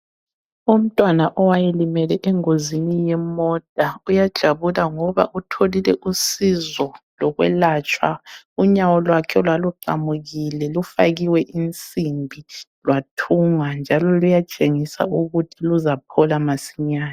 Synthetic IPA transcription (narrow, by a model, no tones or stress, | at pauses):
um̩tʼwanaʔɔwajɛlimɛlɛʔɛŋozinijɛmɔd̥ʼaujad̥ʒ̥ʱaβulaŋɔβa̰ʔutʰolilɛʔusizɔlɔɣwɛ̰laːt͡ʃʼwa̰ | uɲawɔlwakʰɛlwaluǃamuɣilɛlufaɣiwɛʔint͡sʼimbʱilwatʰuŋand͡ʒʱalɔlujat͡ʃʼeŋisa̰uɣutʰiluzapʰɔlamasiɲaːni